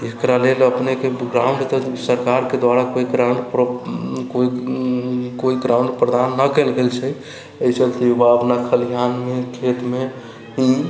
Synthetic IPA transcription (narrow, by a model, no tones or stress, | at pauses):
ekɾaleləpnekeɡɾaw̃ɳɖt̪ɔsəɾkaɾked̪waɾakoiɡɾãɳɖp | koi | koiɡɾaw̃ɳɖpɾəd̪anːəkelɡelt͡ʃʰɛ | əjsəlt̪eubaəbnakʰəljanmekʰet̪me | ɦi